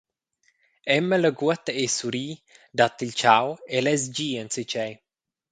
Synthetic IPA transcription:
ɛmːələɡuət̪əesuɾiː | d̪at̪ːilʲt͡ʃawelɛzd͡ʒiːənsit͡ʃɛj

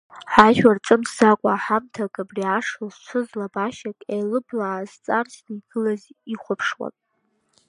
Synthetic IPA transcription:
ħaʒᶣart͡sʼɨmʰz̥akʷʼaːħamtʰakʼabriaʂazt͡ʃʷʰʊzlabaʃakʼejlɨblaʕːzt͡sʼarsnɨiɡɨlaziχʷʊpʰʂwa̰nʼ

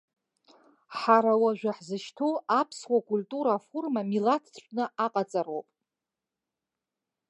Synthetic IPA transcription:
ħaɾawaʒᶣaħzɨʃtʰoapʰswakʼulʲtʼuɾafurmamilatʰʃʷʼnɨʔaqʼat͡sʼarowpʼ

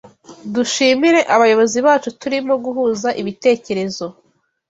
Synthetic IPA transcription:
duʃiːmiɾe̞ʔaβajo̞βo̞ziβaːt͡ʃutuɾimo̞ɡuɦuːzaʔiβite̞ːce̞ɾe̞zo̞

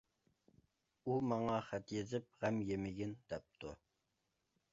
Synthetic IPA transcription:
umɑŋɑχæt̪jezɪp̚ʁæmjemɪɡʲɪnd̪̥ɛp̚t̪ʰṵ

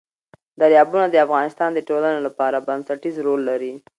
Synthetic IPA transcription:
d̪aɾjɑbunad̪əafɣɑnɪst̪ɑnd̪əʈolanelapɑɾabansaʈizɾolːaɾi

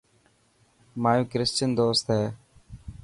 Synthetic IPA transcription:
maːjũːkɾɪst͡ʃənd̪oːst̪ɦeː

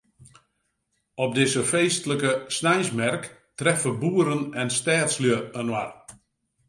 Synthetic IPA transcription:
ɔp̚dɪsəfeːstələkəsnɛjsmɛrk | trɛfəbuəɾənɛnstɛːtsljəənwar

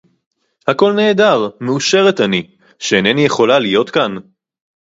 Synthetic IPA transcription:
hako̞lne̞ːdaʁmeuʃe̞ʁe̞t̪ani | ʃeenenije̞χo̞lalijo̞t̪kan

